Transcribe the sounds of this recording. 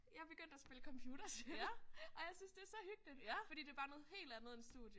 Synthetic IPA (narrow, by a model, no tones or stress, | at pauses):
jɑb̥e̝ɡ̥øn̰d̥æsb̥e̝ləkʰɒ̽mpʰjuːɾ̥ɐselʔɒ̽jɑ̈ɪsynsd̥e̝æɐsɒ̽hyɡ̥̚lid̥fd̥ḭːd̥e̝b̥ɑ̈ːnɔ̽ːð̩ˠhe̝̰ːld̥ænð̩ˠe̝nsd̥ṵðˠjə